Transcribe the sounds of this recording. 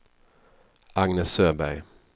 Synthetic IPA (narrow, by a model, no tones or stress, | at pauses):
aŋnəsøːbæj